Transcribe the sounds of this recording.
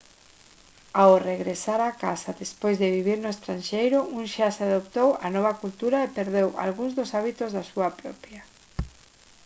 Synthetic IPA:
awreɣɾesaɾakasaðespojzðeβiβiɾnʊest̪ɾanʃejɾʊuŋʃaseaðopt̪owa̰nɔβ̞akult̪uɾaepeɾðewʔa̰lɣuŋzðʊsaβit̪ozðasuapɾɔpja

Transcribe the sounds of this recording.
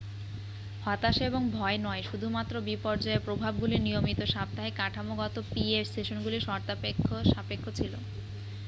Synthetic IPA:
hɔt̪aʃeboŋbʱɔenɔeʃud̪ʱumat̪ːɾobipɔɾd͡ʑaepɾobʱab̚ɡulinijomit̪oʃab̚t̪ːaɦekaʈʰamoɡɔt̪opiesʈeʃonɡuliʃɔɾt̪apekʰːoʃapekʰːot͡ɕʰilo

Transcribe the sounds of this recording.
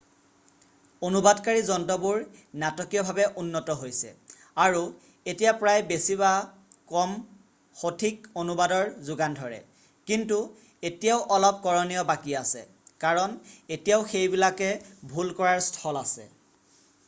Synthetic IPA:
onubadkaɹizɔntɔbuɹnatɔkijɔbʱabɛʔunːɔtɔɦojsɛ̰ | aɹu | etijapɹajbesiβa | kɔm | xotʰikonubadɔɹzʊɡandʱɔɹɛ̰ | kintu | etijaʊʔɔlɔp̚kɔɹɔnijɔbakiasɛ̰ | kaɹɔnetijaʊxejbilakɛbʱulkɔɹaɹstʰɔlasɛ̰

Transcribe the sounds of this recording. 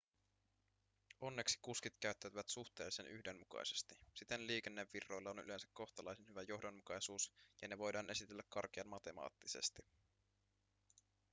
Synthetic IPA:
o̞nːe̞ksi̥kuskit̪kæɥt̪ːæt̪yʋæt̪suxt̪e̞ːlsenʔyçde̞nmukɑ̰jse̞̥st̪isit̪e̞nliːkenːe̞ʋːirːo̞jlːɑony̰le̞nsækko̞xt̪ɑlɑjsenhyʋæjo̞hdo̞nmukɑjsuːsjɑne̞ʋo̞jdɑːnesit̪elːækkɑrk̟eɑnmmɑt̪e̞mɑ̰ːt̪ːise̞̰st̪i

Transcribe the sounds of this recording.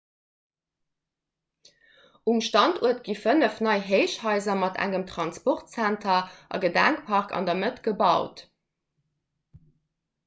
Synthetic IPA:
ʔumʃtɑntʰuətɡ̥ifənəfnɑɪɦeɪʃhɑɪzɐmɑtʰæ̰ŋəmtχɑnspɔʁtt͡sæntʰɐʔɑ̰ɡədæŋkpʰɑʁkɑ̰ndɐmətɡ̥əbɑʊt

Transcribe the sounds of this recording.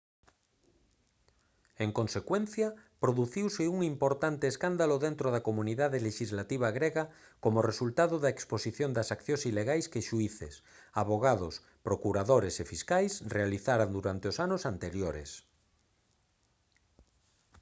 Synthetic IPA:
eŋkonsekwen̟θjapɾoðuθiwseuŋimpoɾt̪ant̪eːskand̪aloðent̪ɾoðakomũniðaðeleʃizlat̪iβ̞aɣɾeɣa | komoresult̪aðoðaeksposiθjond̪asakθjõsileɣajskeʃuiθḛs | aβoɣ̞aðo̰s | pɾokuɾaðoɾesefiskajsrealiθaɾand̪uɾant̪eosanosant̪eɾjoɾḛs

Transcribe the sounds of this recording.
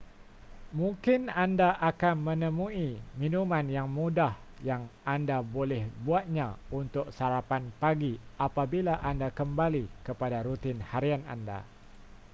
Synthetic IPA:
mũŋkɪnandaʔakanmə̃nə̃mũimĩnumãnjaŋmudah | jaŋandabolɛhbuat̪̚ɲãunt̪ʊk̚saɾapanpaɡiapabilaʔandakəmbalikəpadaɾut̪ɪnhaɾiana̰nda̰

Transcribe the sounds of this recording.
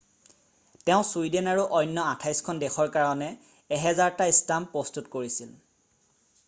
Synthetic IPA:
teʊ̃suidenaɹuʔɔjnːɔatʰajskʰɔndɛxɔɹkaɹɔnɛː | ɦɛzaɹtaistampɹɔstutkoɹisil

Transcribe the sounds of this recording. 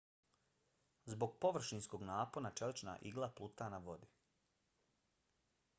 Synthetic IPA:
zbo̞ɡpo̞ʋr̩ʃinsko̞ɡnaːponat͡ʃelit͡ʃna̰ʔiɡlˠaplˠut̪anaʋo̞d̪i

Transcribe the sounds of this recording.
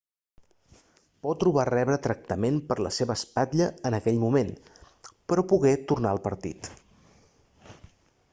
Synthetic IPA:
pɔt̪ːɾuβarɛβɾət̪ɾək̚t̪əmenpəɾlə̰seβəːspaʎəənəkɛʎmumen | pəɾɔpuɣɛt̪urnaəlˠpəɾt̪ḭt̪

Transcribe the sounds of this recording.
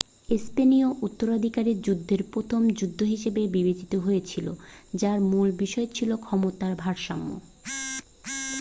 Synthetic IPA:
espenioʔut̪ːoɾad̪ʱikaɾiɾd͡ʑud̪ʱːeɾpɾot̪ʰomd͡ʑud̪ʱːoɦiʃebebibed͡ʑit̪oɦojet͡ɕʰilo̰d͡ʑaɾmulbiʃɔet͡ɕʰilokʰɔmot̪aɾbʱaɾʃamːo̰

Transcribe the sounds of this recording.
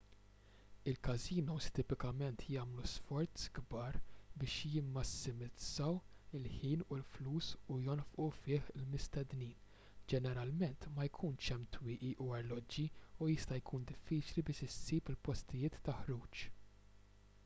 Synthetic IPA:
ɪlkɐziːnɔst̪ɪpɪkɐmɛnt̪ʰjɐːmlusfɔɾt͡sɡbɐːɾbɪːʃjɪmːɐsːɪmɪdd͡zɐw | ɪlħiːnulfluːsujɔnfʔufɪːħɪlmɪst̪ɛd̪niːn | d͡ʒɛnɛɾɐlmɛnt̪mɐjkʰuːnt͡ʃɛmt̪wɪːʔiʔuɐɾlɔd͡ʒːiujɪst̪ɐjkʰuːnd̪ɪfːiːt͡ʃlibɪːʃɪsːiːpɪlpɔst̪ɪjɪːt̪ːɐħɾuːt͡ʃ

